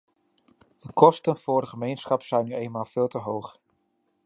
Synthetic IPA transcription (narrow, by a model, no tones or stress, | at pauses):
dəkʰɔstənv̥ʊːrdəχəmejnsχɑpsɛjnːyejnmaːlˠv̥ɪːlˠtəɦowχ